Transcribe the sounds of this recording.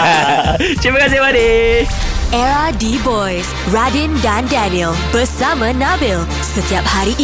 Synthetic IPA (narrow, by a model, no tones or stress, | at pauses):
t͡ʃiməkas̬iwade | ʔɛɹadibɔjs | ɹadĩndãndɛniəlbəsamə̃nabil | sət̪iap̚haɾiʔ